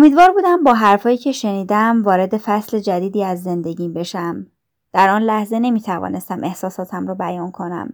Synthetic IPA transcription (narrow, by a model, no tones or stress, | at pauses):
ʔomiːd̪vɒːɾbuːd̪æmbɒːɦæɾfɒːjiːcʰe̞ʃe̞niːd̪æmvɒːɾe̞d̪e̞fæsle̞d͡ʒæd̪iːd̪iːæzːe̞nd̪e̞ɟiːmbe̞ʃæm | d̪̥æɾɒːnlæhze̞ne̞miːt̪ʰævɒ̰ːne̞st̪æmʔe̞hsɒːsɒːt̪ʰæmɾɒːbæjɒːnkʰo̞næ̰m